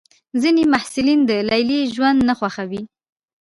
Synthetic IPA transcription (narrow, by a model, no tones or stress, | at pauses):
zinemahsɪlind̪əlajliʒwand̪naxwaxawi